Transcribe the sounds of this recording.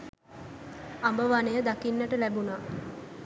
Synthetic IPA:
ambəʋanejəd̪akinːəʈəlæbunaː

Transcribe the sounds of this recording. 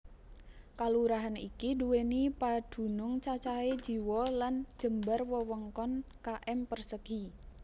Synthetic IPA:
kaluɾaɦanikiduwenipad̪̥ṳnʊŋt͡ʃat͡ʃae̥d͡ʒ̥i̤wɔlan̥d͡ʒ̥ə̤mbərwɔwəŋkɔnkaʔɛmpərsəɡ̥i

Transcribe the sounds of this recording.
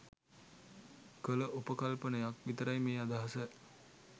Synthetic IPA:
kələʔupəkalpənəjak̚ʋit̪əɾajmeːad̪aɦasə

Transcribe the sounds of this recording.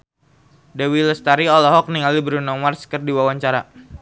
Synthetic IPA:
dewiləst̪aɾiɔlɔɦɔk̚niŋalibəɾunɔŋmarskərdiwawaɲt͡ʃaɾa

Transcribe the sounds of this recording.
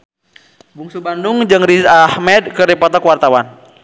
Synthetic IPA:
buŋsubandʊŋd͡ʒɨŋrizahmɛd̪̚kəɾipɔt̪ɔkwart̪awan

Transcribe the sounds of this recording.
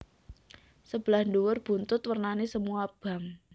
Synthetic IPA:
səb̥əlahɳduwʊrb̥unt̪ʊt̪wərnanesəmuab̥a̤m

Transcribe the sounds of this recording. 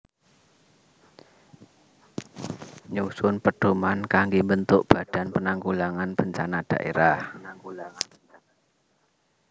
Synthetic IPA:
ɲusʊnpəɖ̥o̤mankaŋɡembənt̪ʊʔb̥a̤d̥a̤npənaŋkulaŋanb̥əɲt͡ʃanad̥a̤̰ʔḛɾahnaŋkulaŋa

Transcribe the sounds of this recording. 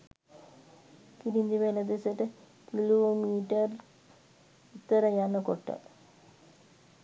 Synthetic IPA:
kiɾind̪iʋelɐd̪esɐʈːɨ | kiloːmiːʈːɐr | it̪ːɐɾɐjaːnɐkoʈːɐ̰

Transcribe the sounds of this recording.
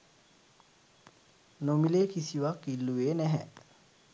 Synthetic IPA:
nomileːkisiʋakːilːuʋeːnæɦɛ

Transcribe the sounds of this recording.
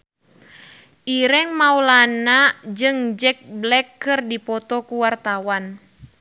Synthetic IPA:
ʔiɾɛŋmaulanad͡ʒɨŋd͡ʒɛk̚blɛkːɨrdipɔt̪ɔkuwart̪awan

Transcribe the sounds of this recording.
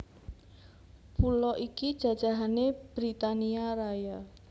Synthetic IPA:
pulɔʔikid̥ʒ̥a̤d̥ʒ̥a̤ɦaneb̥ɾit̪aniaɾaja

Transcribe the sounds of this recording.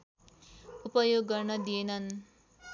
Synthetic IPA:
upʌjoɡːʌrnʌd̪ijenʌn

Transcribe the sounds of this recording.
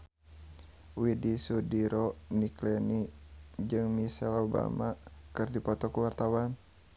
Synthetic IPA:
widisudiɾɔniklɛnid͡ʒɨŋmisɛloba̰makɨrdipɔt̪ɔkuwart̪awan

